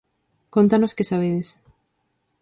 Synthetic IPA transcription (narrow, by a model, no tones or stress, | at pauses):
kont̪anoskesaβ̞eðes